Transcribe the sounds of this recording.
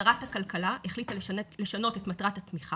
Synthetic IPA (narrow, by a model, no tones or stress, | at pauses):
ʁathakalkalaʔeχlit̪ale̞ʃano̞tetmatʁathat̪miχa